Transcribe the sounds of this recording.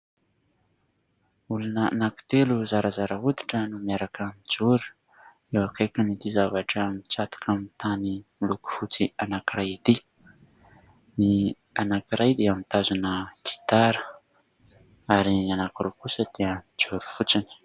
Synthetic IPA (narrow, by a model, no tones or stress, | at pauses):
ulanənaku̥t̪eluzaɾəzaɾəɦud̪i̥ʈ͡ʂənumiaɾakəmid͡ʒuɾu̥ | ewakekinit̪izavaʈ͡ʂəmit͡sat̪i̥kʰamit̪animiluku̥fut͡sianakiɾajit̪i | ni | anakiɾajd̪eamit̪azunəɡ̥i̥t̪aɾə | aɾianakirukusəd̪̥eəmid͡ʒuɾu̥fut͡sini̥